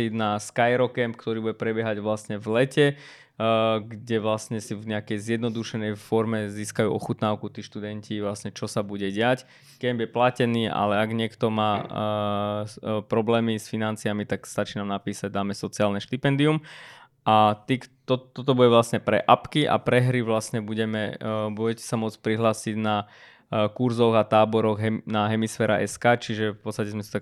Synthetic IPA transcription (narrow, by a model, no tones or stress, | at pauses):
inaskajɛɾɔkɛmpkt̪ɔɾiːbuɟɛpɾɛbjɛɦaɟʋlasɲɛvlɛcɛ | ɡɟɛʋlasɲɛsivɲɛakɛjzjɛd̪nɔd̪uʃɛnɛjfɔɾmɛziːskajṵːʔɔ̰xut̪naːʊkut̪iːʃt̪ud̪ɛɲciʋlasɲɛt͡ʃɔsabuɟɛɟɛac | kɛmbjɛplacɛniːʔa̰lɛaɡɲɪɛkt̪ɔmaː | pɾɔblɛːmisfinant͡siamit̪akst̪at͡ʃiːnaːmnapiːsaɟ̚d̪aːmɛsɔt͡siaːlnɛʃt̪ipɛnd̪ium | at̪iːkt̪ɔt̪ːɔt̪̬ɔbuɟɛʋlasɲɛpɾɛ̰ʔapkiʔa̰pɾɛɦɾiʋlasɲɛbuɟɛmɛbuɟɛcɛ̥samʊɔt͡spɾiɦlaːsiɟna | kuɾzɔɣat̪aːbɔɾɔɣɦɛnaɦɛmisfɛːɾaʔɛskaːt͡ʃiʒɛfpɔtt͡sst̪acɛzmɛsit̪ak